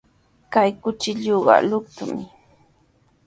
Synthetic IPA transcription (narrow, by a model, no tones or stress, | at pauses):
kajkʊt͡ʃɪʎuɢɑ̰lʊk̚t̪ʊmɪ